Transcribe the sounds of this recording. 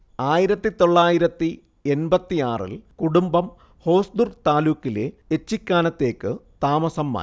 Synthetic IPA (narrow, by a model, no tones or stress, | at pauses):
aːjiɾɐt̪ːit̪o̞ɭːaːjiɾɐt̪ːi | e̞nbɐt̪ːijaːrḭlkuɽumbɐm | ho̞ːsd̪urt̪aːluːkːile | et͡ɕːikʲːaːnɐt̪ːe̞ːkːɨt̪aːmɐsɐmːa̰ː